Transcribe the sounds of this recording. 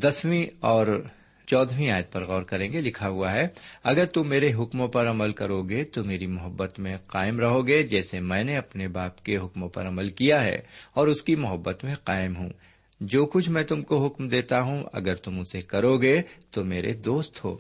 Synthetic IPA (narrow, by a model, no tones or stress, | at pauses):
d̪ɐswĩɔːɾ | t͡ʃɔːd̪ʱʋĩaːjt̪̚pɐɾɣɔːɾkɐɾẽːɡelɪkʰaɦʊaɦɛːɐɡəɾt̪ʊ̃mːeːɾeɦʊkmõpɐɾɐməlkɐɾoɡet̪omeːɾimʊɦəbːət̪mẽqaːɪmɾɐɦoɡed͡ʒɛːsemɛ̃ːneɐpnebaːpkeɦʊkmõpɐ̰ɾɐməlkijaɦɛ̰ːɔːɾʊskimʊɦəbːət̪mẽqaːɪmɦṵ̃ː | d͡ʒoːkʊt͡ʃʰmɛ̃ːt̪ʊmkoɦʊkmd̪eːt̪aɦũɐ̰ɡəɾt̪ʊmʊsekɐɾoɡet̪omeːɾḛd̪oːst̪ɦo̰ː